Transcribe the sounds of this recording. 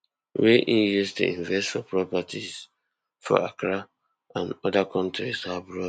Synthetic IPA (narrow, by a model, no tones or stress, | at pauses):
weʔinjustṵĩɱvɛstfɔpɹɔpatʰiz | fɔ̰ʔakɾa | ãnɔdakʰɔ̃ntɹishabɹɔ